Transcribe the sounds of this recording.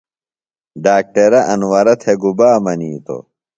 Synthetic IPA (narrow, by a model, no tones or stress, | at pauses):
ɖaːk̚ʈɐɾɐʔɐnwɐɾɐt̪ʰeɡubaːmɐniːt̪o̰